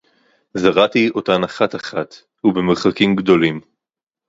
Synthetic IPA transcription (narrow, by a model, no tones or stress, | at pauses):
zaʁatio̞tanaχataχat̪ | hubemeʁχakimɡdo̞lim